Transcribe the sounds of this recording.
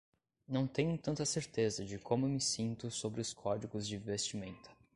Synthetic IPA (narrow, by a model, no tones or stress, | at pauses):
nɐ̃w̃t̪ẽɲʊt̪ɐ̃nt̪ɐseɾt̪ezɐd͡ʒɪkʰõmʊemɪsĩnt̪ʊsobɾɪʊskʰɔd͡ʒiɡʊzd͡ʒɪ̃vest͡ʃimẽnt̪ʊ̥